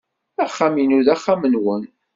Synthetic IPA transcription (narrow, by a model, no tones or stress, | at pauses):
æχːaminuðæχːamənwən